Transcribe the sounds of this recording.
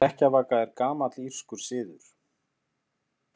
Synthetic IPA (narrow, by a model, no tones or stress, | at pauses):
ɛhcavaːkaɛɾkaːmat̪lir̥skʏɾ̥sɪːðʏɾ̥